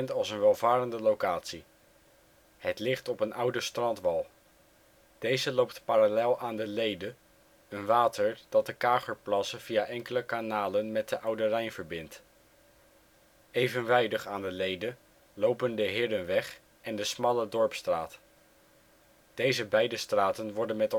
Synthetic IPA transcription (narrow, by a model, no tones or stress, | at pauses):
ɛntɑlˠsənʋɛlˠvaːɾəndəlowkaːtsi | ɦətlɪχtɔpənʌwdəstrɑntʋɑlˠ | d̥ejzəlowptpaɾalɛlˠaːndəlejdə | ənʋaːtəɹd̥ɑt̚dəkaːχəɹplɑsəv̥ijaʔɛŋkələkanaːlənmɛt̚dəʔʌwdərɛjnvəɹbɪnt | ejvənʋɛjdəχaːndəlejdə | lowpəndəɦɪːdənʋɛχ | ʔɛndəsmɑlədɔɹpstra̰ːt | d̥ejzəbɛjdəstraːtənʋɔɹdənmɛt